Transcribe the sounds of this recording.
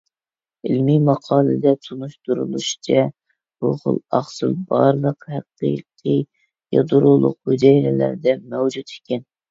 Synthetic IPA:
ɪlmimɑqʰɑːlˠɨd̪ɛt̪ʰunuʃt̪uɾulˠuʃi̥t͡ʃʰɛ | b̥uχo̰lˠɑχsɨlˠbɑɾlˠəqhæqḭqʰɨ | jɑ̰d̪uɾulˠʊq̚bud͡ʒ̪ɛjɾɛlæ̰ɾd̪ɛmɛwd͡ʒut̪i̥kʲɛn

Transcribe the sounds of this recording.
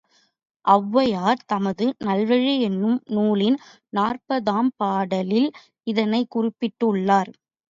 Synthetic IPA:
ʔɐʋːɐjaːɾt̪ɐmɐðɯnɐlʋɐɻiɛnːɯmnuːlɪn | naːrpɐðaːmpaːɽɐlɪl | ɪðɐnɐɪkːʊrɪpːɪʈːɯʊɭːaːɾ

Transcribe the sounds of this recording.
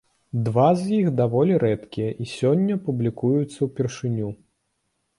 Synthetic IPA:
d̪vazjixd̪avɔlʲiɾɛt̪kʲijɐʔisʲɔnʲːɐpublʲikujut̪sːɐwpʲɛrʂɨnʲu

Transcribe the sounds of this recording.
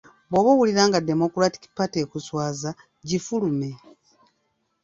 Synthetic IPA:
boβoβwuliɾaːŋɡade̞mo̞kuɾati̥ki̥pate̞ːkuswaːza | ɟifulume̞

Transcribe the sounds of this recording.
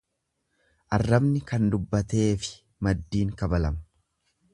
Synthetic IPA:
ʔɐrːɐbnɪkɐnd̪ʊbːɐt̪e̞ːfɪ̥ | mɐd̪ːiːŋkɐbɐlɐm̥

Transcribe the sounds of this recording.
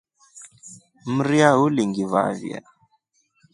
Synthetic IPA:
m̩ɾiauliŋɡiva̰vḭa̰

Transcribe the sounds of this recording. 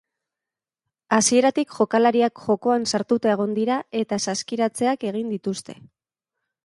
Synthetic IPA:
asie̞ɾat̪ikʝo̞kalaɾiakʝo̞ko̞ansaɾt̪ut̪aeɣ̞o̞nd̪iɾae̞t̪asaskiɾat͡se̞ake̞ɣ̞ind̪it̪ust̪e̞

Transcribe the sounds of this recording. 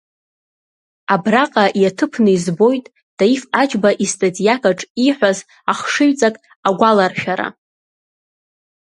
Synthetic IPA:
abraqʼaʔjatʰɨpʰnɨizbo̞jtʼ | d̥aifad͡ʒbaʔistʼatʼijakʼaʈ͡ʂʼiħʷaz | aχʂɨɥt͡sʼakʼ | aɡʷalarʃᶣaɾa̰

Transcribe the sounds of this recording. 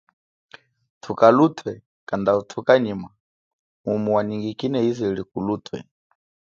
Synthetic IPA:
tʰukalutʰwɛ | kandautʰukaɲima | umuwaniŋɡikinɛiziilikulutʰwɛ̰

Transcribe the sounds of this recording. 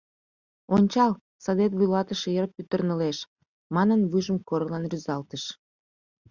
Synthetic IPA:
onʲt͡ɕɑl | sod̪et̪̬βujlɑt̪əʃejəɾpːyt̪ərnəleʃ | mɑnənβujʒəmkoɾlɑnryzɑlt̪əʃ

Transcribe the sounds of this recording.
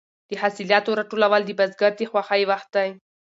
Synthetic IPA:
d̪̥əhasiljɑt̪oɾaʈolawald̪əbazɡaɾt̪exwaxajwaxt̪̚d̪aj

